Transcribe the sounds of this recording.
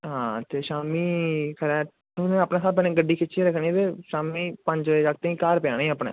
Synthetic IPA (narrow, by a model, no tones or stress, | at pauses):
ɦãːt̪eːʃaːmiːkʰəɾɛː | onẽːaːpneːsaːlp̬ɛːnẽːɡəɖːiːkʰɪt͡ʃːiɾəkʰnĩt̪eːʃaːmiːpəɲd͡ʒʋːd͡ʒaːk̚t̪ẽĩːkaːɾpaːneĩəːpnɛ̰ː